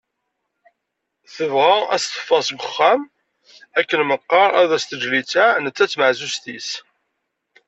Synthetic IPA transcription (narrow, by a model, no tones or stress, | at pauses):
θəvʁææst̪ə̥fːɑsbəχːæm | ækːənməqːɑɾˤæðæst̪əd͡ʒlit͡sænət͡sːæt͡sːməʕzust̪is